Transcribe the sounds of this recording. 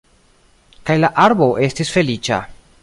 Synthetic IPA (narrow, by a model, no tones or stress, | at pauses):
kajlaʔaɾbo̞ʔe̞stisfe̞lit͡ʃa̰